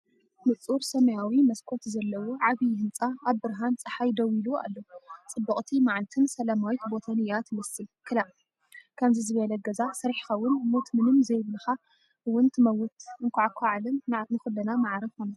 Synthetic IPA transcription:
mɨt͡sʼuɾsɐmɐjawimɐskʰo̞t̪zɐlːɐwoʕaβihɨnt͡sʼaaβbɨɾɦant͡sʼɨħajd̪ɐwilua̰lːot͡sʼɨbːɐχʼt̪ʰimaʕlt̪ʰɨnsɐlɐmawit̪bo̞t̪ʰɐnɨjat̪mɐsɨlkʰɨla | kʰɐmzizɨβɐlɐɡɐzasɐɾħi̥xɐwʊnmot̪mɨnɨmzɐjβɨlxa | wʊnt̪mɐwʊt̪ɨŋkʰʷaʕakʷʰaʕalɐmnɨxɨlːɐnamaʕɾɐβxona

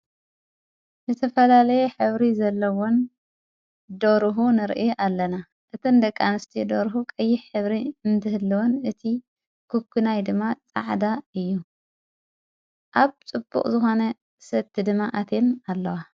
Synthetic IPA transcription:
zɨt̪ʰɐfɐlalɐjɛħɨβɾizɐlːɐwon | d̪oɾɦunɨɾʔjʔalːɐna | ʔɨt̪ʰɨnd̪ɐkʼːanɨst̪ʰid̪oɾɦukʼɐjːiħħɨβɾiɨnt̪ʰɨhɨlːɨwonɨt̪ʰi | kʰukʰːunajd̪ɨmːat͡sʼa̰ʕd̪aɨjːu | ʔaβt͡sʼɨbːṵqʼzɨxo̞nɐ | sɐt̪ʰːid̪ɨmːaʔat̪ʰe̞nalːɐwa

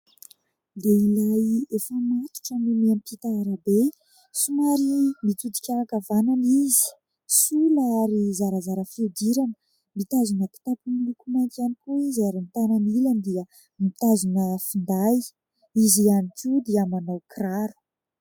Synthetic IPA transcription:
leilajefəmat̪u̥ʈ͡ʂənimeampit̪aːɾabe | sumaɾimit͡s̪ud̪i̥kʲaɾakavananizi̥ | sulaaɾizaɾazaɾəfiud̪iɾanə | mit̪azunəpi̥t̪apumilukumajnt̪ianikuizaɾimit̪ananiland̪iə | mit̪azunəfind̪aj | izianikud̪iəmanawkraɾu̥

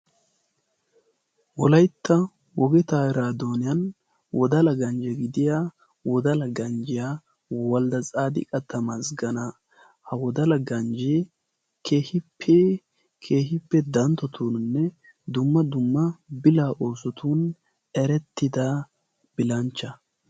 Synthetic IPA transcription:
wɔlɐjt̪ʰːɐ | wɔɡɛt̪aːɾaːd̪oːnɪjɐn | wɔd̪ɐlɐɡɐnd͡ʒɛɡɪd̪ɪjaː | wɔd̪ɐlɐɡɐnd͡ʒɪjaː | wɔld̪ɐt͡sʼaːd̪ɪ̰kʼɐt̪ːɐmɐsɡɐnɐ | hɐwɔd̪ɐlɐɡɐnd͡ʒe | kʰe̞ːhɪpʰːɛ | kʰe̞ːhɪpːɛd̪ɐnt̪ːɔt̪ʰuːnnːɛ | d̪ʊmːɐd̪ʊmːɐbɪlaːʔo̞ːsɔt̪ʰuːn | ɛɾɛt̪ːɪd̪a | b̥ɪlɐnt͡ʃːɐ

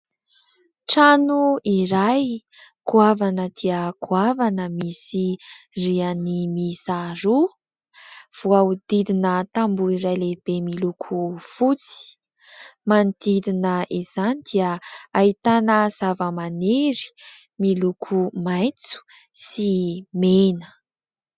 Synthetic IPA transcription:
ʈ͡ʂanuiɾaj | kuavanəd̪̥iəkʰuavanəmisirianimisaɾu | v̥uaud̪id̪inət̪ambuiɾajleb̥emilukʰufut͡si̥ | mand̪̥id̪inəʔiz̥anid̪̥iəait̪anəz̥avəmaneɾi̥ | milukʰumajt͡su̥ | simenə̥

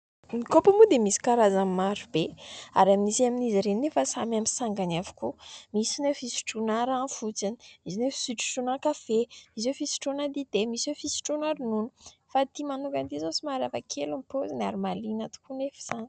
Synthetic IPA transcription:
mikopamud̪emisi̥kaɾazamimːaɾubea̰ɾaminisiaminiziɾenːefasamamisaŋɡanavu̥kumisinefisi̥ʈ͡ʂunaɾafut͡sani̥izinefi̥siʈ͡ʂu̥ʃunakafeizwewfisi̥ʈ͡ʂonad̪id̪emiswewfisi̥ʈ͡ʂunaɾununəfat̪imanukant̪izosimaɾafakʰelumpozanaɾimalinat̪u̥kunefi̥san

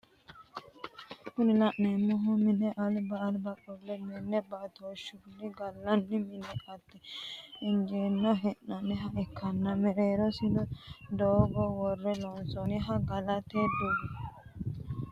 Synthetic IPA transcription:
kʊnɪlɐʔneːmːɔɦʊmɪnɛʔɐlbɐːlbɐkʼːɔlːɛmɪnːɛbɐt̪oʃːʊnɪɡɐlːɐnːɪmɪnɛʔɐt̪ːɛɪnd͡ʒeːnːɔɦɛnːɐnɪɦɐɪkʰːɐnːɐmɛɾeːɾɔsɪnɔd̪oːɡɔwɔrːɛlɔnsɔnɪɦɐɡɐlɐt̪ed̪u

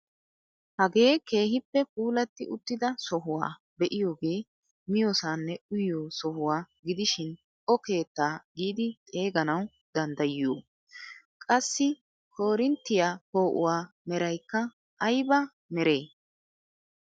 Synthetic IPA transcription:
hɐɡe̞ːke̞ːhɪpːɛp̚uːlɐt̪ːɪʔʊt̪ːɪd̪ɐsɔɦʊwa̰ː | bɛʔɪjo̞ːɡe̞ː | mɪjoːsaːnːɛʔʊjoːsɔhʊwaː | ɡɪd̪ɪʃɪn | ʔɔke̞ːt̪ːaːɡiːd̪ɪt̪ʼe̞ːɡɐnɐw | d̪ɐnd̪ɐjɪjoː | kʼɐsːɪ | kʰo̞ːɾɪnt̪ːɪjaːko̞ːʔʊ̰waː | mɛɾɐjkːɐ | ʔɐjbɐ | mɛɾe̞ː

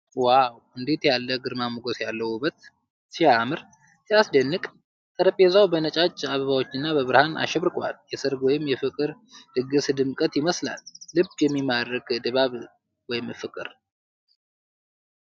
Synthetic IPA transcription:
waw | ɨnd̪et̪jalːəɡɨɾmamɡosjalːəhubət̪ | siamɨɾ | siasd̪ənːɨkʼ | t̪ʼəɾəpʼezawbənət͡ʃʼat͡ʃʼːaβəβawot͡ʃːɨnːabəβɨɾhana̰ʃɛβɾɨkʼwa̰ljɛsɨɾɡwɔjɪmjɛfɨkʼɨɾ | d̪̥ɨɡɨsd̪ɨmkʼət̪jɪməsla̰lːɨbjɛmːimaɾəkd̪ɨβaβ | wɔjɪmfɨkʼɨ̰ɾ

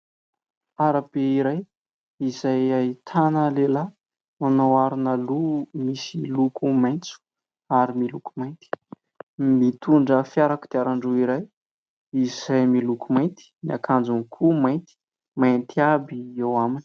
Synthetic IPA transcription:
aɾab̥eiɾaj | izajait̪ʰanəlela | manawaɾinəlumisilukʰumajnt͡su̥ | aɾimilukumajnt̪i̥ | mit̪uɳɖ͡ʐəfjaɾaku̥d̪̥eaɾaɳɖ͡ʐuiɾaj | iz̥ajmilukumajnt̪i̥niakʰand͡zunikʰumajnt̪i̥ | mant̪iabiewamini̥

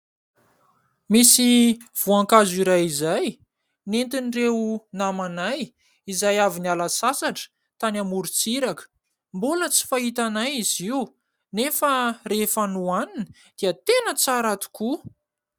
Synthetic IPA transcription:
misiv̥uaŋkaziɾajizaj | nent̪inirewnamanaj | izajavinalasasaʈ͡ʂə̥ | t̪anamuɾut͡siɾakə̥ | mbulət͡si̥faɦit̪anajiziu | nefərefanuanini̥ | d̪̥iət̪enət͡saɾat̪u̥ku

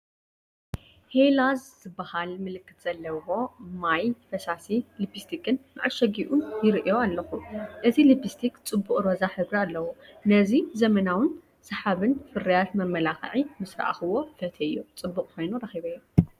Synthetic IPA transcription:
helazzɨbːahalmɨlɨkːɨt̪z̥ɐlːɐwo̞majfɐsasilibist̪ʰikʰɨnmaʕalʃɐɡiʔunjɪɾʔijo̞alːɐxuʔɨzilibist̪ʰikt͡sʼɨbːuχʼɾozaħɨβɾialːɐwonɐzizɐmɐnawɨn | sɐħaβɨnfɨɾijat̪mɐmːɐlaxʕimɨsɾa̰ʔa̰xɨwo̞fɐt̪ʰɐɨjːut͡sʼɨbːuqʼkʰo̞jnuɾɐxiβɐjːu

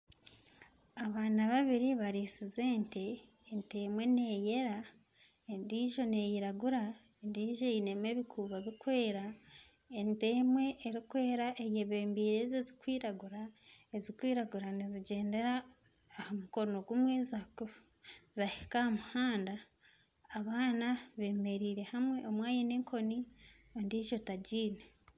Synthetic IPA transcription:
aβaːnaβaβiɾiβaɾisize̞ːnte̞ː | nte̞mwe̞ne̞ːje̞ɾa | endiːʒo̞ne̞jiɾaɡuɾa | endiːʒo̞ine̞me̞βikʰuːβaβikwe̞ːɾa | entemwe̞ʔːɾikwe̞ːɾaʔejeβe̞ːmbiːɾezezikwiːɾaɡuɾaezikwiːɾaɡuɾaniziɟe̞ːnde̞ɾaː | hamukono̞ɡumwezako | zahikahamuhaːndaː | βaːnaβe̞ːme̞ɾiːɾe̞hamwe̞omwaːjineːŋkʰo̞ni | ondiːʒo̞taɟiːne

